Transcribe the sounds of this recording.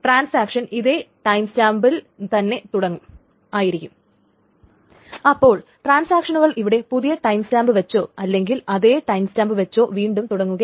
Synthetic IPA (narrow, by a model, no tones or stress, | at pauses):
ʈraːnsaːkʂɐniðe̞ːʈɐjmstaːmbil | t̪ɐnːe̞t̪uɽɐŋːu | aːjiɾikʲːum | ɐpːo̞ːɭʈraːnsaːkʂɐnuɣɐɭʔiʋiɽe̞puðijɐʈɐjmstaːmbɨʋɐt͡ɕːo̞ːɐlːe̞ŋɡilɐðe̞ːʈɐjmstaːmbɨʋɐt͡ɕːo̞ːʋiːɳɖumt̪uɽɐŋːuɣɐ